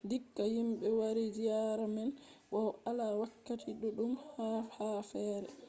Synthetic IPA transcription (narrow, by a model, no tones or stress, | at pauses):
dikːajimɓɛwaɾid͡ʒijaɾamɛnɓɔwalawakːatʰiɗɔɗumhhafɛːɾɛ